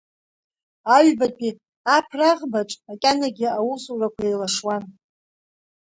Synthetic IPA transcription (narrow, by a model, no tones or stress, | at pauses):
aɥbapʼi | apʰraʁbaʈ͡ʂʼakʲʼanaɡʲiawuzurakʷʰaelaʂwan